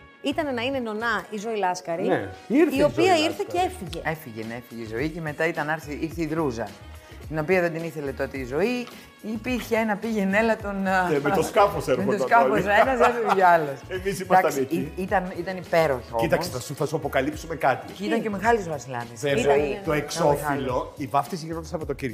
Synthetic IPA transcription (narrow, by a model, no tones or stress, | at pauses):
it̪ɐnenɐine̞no̞nɐizo̞ilɐskɐɾineiɾθio̞piɐiiɾθeceefiʝee̞fiʝenefiʝeizo̞ice̞me̞t̪ɐit̪ɐnɐɾθiʔiɾθeiðɾuzɐ | t̪ino̞piɐðend̪iniθe̞le̞t̪o̞t̪iːzo̞i | ipiɾçeenɐpiʝe̞ne̞lɐt̪o̞nemet̪oskɐfoseɾmeoot̪skɐfosenɐzefoiɐlosemisimɐaɐtɐsiit̪ɐnit̪ɐnipe̞ɾoçeoimt̪ɐksɐsuθɐsuɐpokɐlipsumekɐt̪iit̪ɐɲcemeɣɐlit̪uzvɐsilɐ̰ðiset̪oeksofɐillo̞ivɐft̪is̬iɾnot̪isɐɐpot̪ociɾo